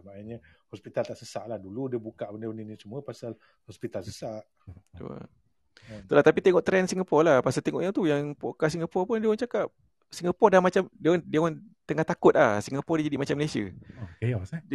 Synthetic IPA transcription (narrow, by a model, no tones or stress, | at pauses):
manaɲəhɔspit̪alt̪aʔsəsaʔlahduludiəbukaʔbəndəəninisəmuəpasal | hɔspit̪alsəsaʔ | t̪ṵa̰ | t̪ulaht̪apit̪eŋɔʔt̪ɾɛnsiŋɡapɔrlahpasalt̪eŋɔʔjaŋt̪ujaŋpokas̬iŋɡapɔrpʊndiəwant͡ʃakap̚ | siŋɡapɔrdamat͡ʃamdiandiəwan | t̪əŋaht̪akʊt̪̚lahsiŋapɔrdid͡ʒadiʔmat͡ʃaməlesiə̰ejɔsa